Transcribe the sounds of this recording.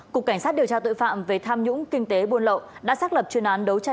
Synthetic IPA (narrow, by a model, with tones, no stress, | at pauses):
kʊ˨˩kːa˧˩jŋsa˦˥t̚ɗi˨˩əwt͡ɕaː˧t̪ɨ̰˧˨fa̰ː˧˨mve˨˩t̪ʰaː˧mɲʊ̰˧˥ŋ͡mkï˧ŋ̟t̪e˨˦ɓu˧ənlə̰˧˨wɗa̰ː˧˥saː˦˥t̚lə˨˩p̚t͡ɕwi˧˩ənʔaː˨˦nɗə˨˦wt͡ɕa˧